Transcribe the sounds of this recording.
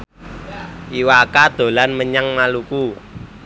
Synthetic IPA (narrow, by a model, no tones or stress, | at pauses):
ʔiwakad̪̥o̤lanməɲaŋmaluku